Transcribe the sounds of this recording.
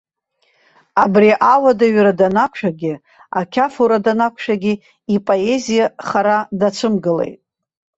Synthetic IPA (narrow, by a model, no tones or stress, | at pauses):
abriʔawadaɥɾadanakʷʰʃᶣaɡʲɪ | akʲʰafuɾadanakʷʰʃᶣaɡʲi | ipʼo̞e̞zijaχaɾadat͡ʃʷʰɨmɡɨle̞̰jtʼ